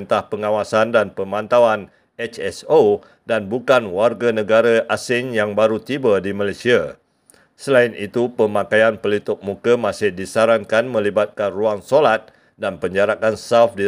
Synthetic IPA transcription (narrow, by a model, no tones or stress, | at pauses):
nt̪ahpəŋãwasandanpəmãnt̪awan | ɛt͡ʃɛso | danbukanwarɡanə̃ɡaɾaʔasɪŋjaŋbaɾut̪ibədimalajsia | səlaɪnit̪upəmakajanpəlit̪ʊk̚mukəmãsɪhdisaɾankanmə̃libat̪̚kanruaŋsolat̪̚ | danpəɲd͡ʒaɾakansawfdi